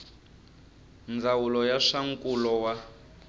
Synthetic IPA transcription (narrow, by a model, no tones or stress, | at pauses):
nd͡zawulɔjaʂaŋkʼulɔwa